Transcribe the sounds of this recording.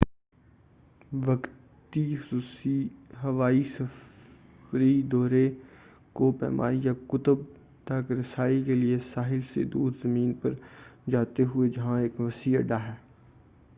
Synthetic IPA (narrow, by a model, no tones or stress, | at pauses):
ʋɐk | t̪ixʊsuːiɦɐʋaːisɐf | ɾid̪ɔːɾe | kopɛ̰ːmʔa̰ːijakʊt̪əb̚ | t̪ɐkɾɐsaːikeliesaːɦɪlsḛd̪uːɾzɐmĩːnpɐɾd͡ʒaːt̪eɦʊed͡ʒɐɦãeːkʋɐsiɐ̰ɖaɦɛː